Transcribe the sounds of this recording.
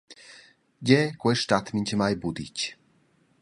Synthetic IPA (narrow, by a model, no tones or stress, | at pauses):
ɟɛkwɛʃt̪at̪miɲʲt͡ɕmajbud̪ḭc